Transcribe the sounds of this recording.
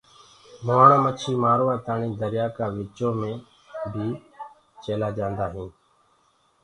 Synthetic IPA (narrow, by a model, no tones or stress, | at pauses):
moːɳːmət͡ʃʰiːmaːɾoːaːt̪aːɳiːd̪əɾjaːkaːʋɪːt͡ʃõːmẽː | bʱiː | t͡ʃeːlaːd͡ʒãːnd̪aːɦĩː